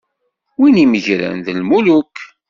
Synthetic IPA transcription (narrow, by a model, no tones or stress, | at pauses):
winiməʝɾə̰nðəlmuluk